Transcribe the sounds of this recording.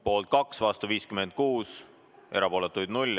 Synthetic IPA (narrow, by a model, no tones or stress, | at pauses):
po̞ːlt̪̚kɑksvɑst̪uviːskyme̞nd̪̥̚kuːs | e̞ɾɑpo̞ːlet̪ːˑujd̪nulʲ